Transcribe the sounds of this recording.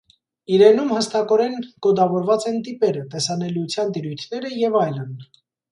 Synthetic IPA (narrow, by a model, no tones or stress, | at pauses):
iɾɛnumhəst̪ɑkɔɾɛnɡ̥ɔd̪ɑvɔɾvɑt͡sɛnt̪ipɛɾət̪ɛsɑnɛliut͡sʰjɑnt̪iɾujt̪ʰnɛɾəjɛvɑjlən